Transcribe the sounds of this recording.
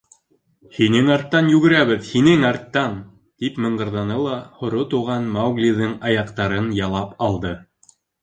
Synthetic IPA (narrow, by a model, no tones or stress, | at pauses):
hinɘŋɑɾt̪ːɑnjʉɡɘ̆ɾæβɘðhinɘŋɑɾt̪ːɑn | t̪ipmɤ̆ɴɢɤ̆ɾðɑnɤlˠɑhŏɾot̪uʁɑnmawɡlʲiðɤŋɑjɑqt̪ɑɾɤnjɑlˠɑpɑlˠd̪ɤ